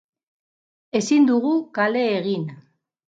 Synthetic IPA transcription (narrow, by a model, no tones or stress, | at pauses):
e̞sind̪uɣukale̞ːɣin